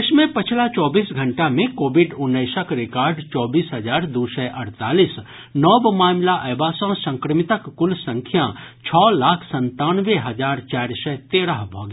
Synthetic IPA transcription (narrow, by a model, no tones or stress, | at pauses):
ɪsmẽpɐt͡ʃʰlat͡ʃɔːbiːsɡʱɐ̃ɳʈamẽkoːbɪɖʊnːəɪsəkɾɪkaːɾɖt͡ʃɔːbiːsɦɐd͡ʒaːɾd̪uːsɛʔɐɾt̪aːliːs | nɔːbmaːmlaʔɛːʋaːsãsɐ̃ŋkɾəmɪt̪əkːʊlsɐ̃ŋkʰjãt͡ʃʰɔːlaːkʰsɐ̃nt̪aːnʋeɦɐd͡ʒaːɾt͡ʃaːɾsɛt̪eːɽaɦbʱɔ̰ːɡ